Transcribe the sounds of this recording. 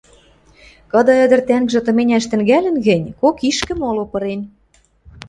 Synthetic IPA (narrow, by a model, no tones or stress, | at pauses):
kɤ̆d̪ɤ̆ɘ̆d̪ə̆rt̪æŋɡʒɘ̆t̪ɤ̆menʲæʃt̪ɘ̆ŋɡælɘ̆nɣɘ̆nʲkokiʃkɘ̆molopɤ̆ɾen